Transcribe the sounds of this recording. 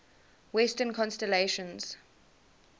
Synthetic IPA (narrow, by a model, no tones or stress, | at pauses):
wɛstə̃nkʰɔ̃nstɛleʃə̃nz̥